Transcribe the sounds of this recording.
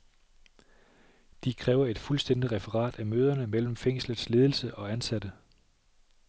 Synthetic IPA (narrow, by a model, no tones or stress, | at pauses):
d̥ikʰʁɛːʊɐe̝d̥fulsd̥en̰d̥iʁɛfəʁɑ̰̈ːd̥æmøːð̞ˠɐnəmel̰m̩feŋ̰sləð̩ˠsle̝ːð̞ˠl̩səʔɒ̽ænsæd̥ə